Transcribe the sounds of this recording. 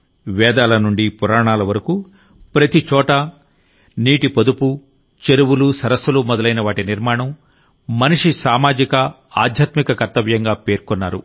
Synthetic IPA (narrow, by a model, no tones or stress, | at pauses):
ʋɛːd̪aːlɐnuɳɖipuɾaːɳaːlɐʋɐɾɐku | pɾɐt̪it͡ʃɔːʈɐ | niːʈipod̪upu | t͡ʃeɾuwulusɐɾɐsɐlumɔd̪ɐlɐjnɐʋaːʈiniɾmaːɳɐmː | ɐniʂisaːmaːd͡ʒikɐ | aːd̪ʱjaːt̪mikɐkɐɾt̪ɐʋjɐŋɡaːpe̞ːɾkɔnːaːɾṵ